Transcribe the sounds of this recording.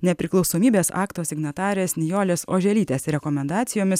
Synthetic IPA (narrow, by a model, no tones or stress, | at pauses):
nʲɛpʲɾʲɪklˠɒʊsoːmʲiːbʲeːsɑ̰ːkt̪oːsʲɪɡnɐt̪ɑːɾʲeːsnʲɪjoːlʲeːso̰ːʒʲɛlʲiːt̪ʲeːsɾʲɛkɔmʲɛnd̪ɑːt̪sʲɪjoːmʲɪs